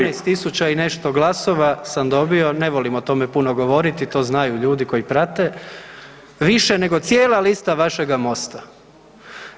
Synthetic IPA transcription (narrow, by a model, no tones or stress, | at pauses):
ejst̪isut͡ɕaine̞ʃt̪o̞ɡlˠaso̞ʋasamd̪o̞bio̞ne̞ʋolimot̪o̞mepunoɡo̞ʋo̞ɾit̪it̪o̞ːznajuʎuːd̪iko̞jipɾat̪e̞ | ʋiʃene̞ɡo̞t̪sjeːlˠalist̪aʋaʃe̞ɡamo̞st̪a